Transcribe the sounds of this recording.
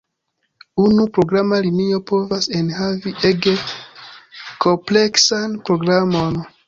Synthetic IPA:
unupɾoɡɾamaliniopovasenhaviʔeɡe | kʰopleksanpɾoɡɾamon

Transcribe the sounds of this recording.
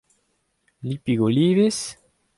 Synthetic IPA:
lipiɡoliːves

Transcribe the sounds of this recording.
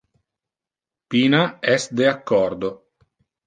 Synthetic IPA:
piːnaɛsd̪eakːɔɾd̪o

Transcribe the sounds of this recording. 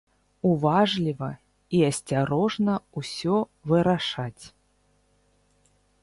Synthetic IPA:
uvaʐlʲivɐ | iɐsʲt͡sʲaɾɔʐnɐusʲɔvɨɾaʂat͡sʲ

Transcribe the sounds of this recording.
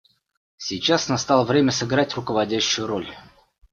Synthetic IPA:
sʲɪjt͡ɕasnɐst̪alˠəvɾʲemʲəsɨɡɾatʲrʊkəvɐdʲæɕːʊjʊɾolʲ

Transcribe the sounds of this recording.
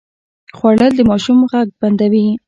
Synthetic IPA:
xwaɽəld̪əmɑʃumɣaɡ̚band̪awi

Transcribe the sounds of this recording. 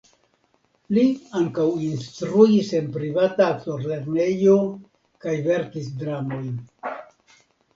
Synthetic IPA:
liaŋkawinst̪ɾuise̞npɾivataktoɾle̞ɾne̞jo̞ | kajve̞ɾkisdɾamo̞jn

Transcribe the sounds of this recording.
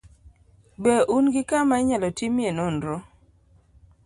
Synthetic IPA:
bɛʔunɡɪkamaɪɲalɔtimjenɔndɾɔ

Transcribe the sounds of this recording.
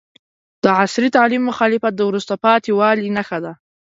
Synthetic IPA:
d̪̥əʕasɾit̪ɑlimːʊxɑlɪfat̪̚d̪əwɾust̪apɑt̪ewɑlinaxad̪a

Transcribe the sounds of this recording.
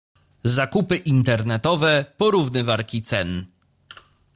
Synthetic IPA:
zakupɘʔint̪ɛɾnɛt̪ɔvɛpɔɾuvnɘvaɾkʲit̪sɛn

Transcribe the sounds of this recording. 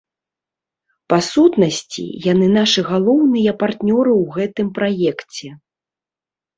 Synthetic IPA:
pasut̪nɐsʲt͡sʲḭjanɨnaʂɨɣalˠɔwnɨjɐpart̪nʲɔɾɨwɣɛt̪ɨmpɾajɛkt͡sʲɛ

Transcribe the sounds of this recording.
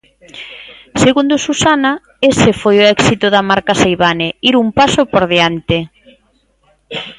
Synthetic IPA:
seɣund̪ʊsusana | esefojoɛksit̪ʊðamaɾkasejβaneiɾumpasʊpoɾðeant̪e

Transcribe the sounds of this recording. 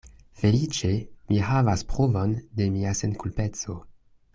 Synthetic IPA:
fe̞lit͡ʃe̞mʔiɦavaspʁovo̞nde̞miase̞nkulpe̞t͡so̞

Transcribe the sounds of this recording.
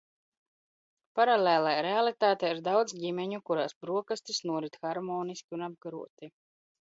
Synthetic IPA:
paɾalʲeːlˠajɾealˠit̪aːt̪ɛjiɾd̪awd̪zɟimɛɲukuɾaːsbɾuɔkast̪isnuɔɾit̪xaɾmɔːniskʲiunab̚ɡaɾṵɔt̪i

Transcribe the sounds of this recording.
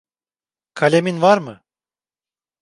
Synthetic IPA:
kʰalʲeminvaɾmɯ

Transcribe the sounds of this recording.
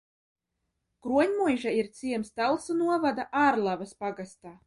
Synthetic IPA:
kɾuɔɲʲmujʒaiɾt̪sʲiɛmst̪alˠsunuɔvad̪aʔaːɾlˠavaspaɡast̪aː

